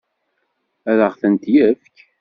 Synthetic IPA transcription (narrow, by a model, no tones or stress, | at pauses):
æðəʁθənt̪jəfk